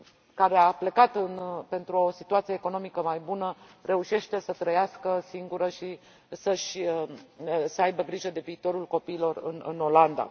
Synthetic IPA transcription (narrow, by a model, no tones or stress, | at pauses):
kaɾeaple̞kat̪ɨnpe̞nt̪ɾuo̞sit̪uat̪sijeeko̞no̞mikəmajbunəre̞uʃe̞ʃt̪esət̪ɾəjaskəsiŋɡuɾəʃi | səʃʲ | səajbəɡɾiʒəd̪e̞viːt̪o̞ɾulko̞piːlo̞rɨ̰nɨ̰no̞land̪a̰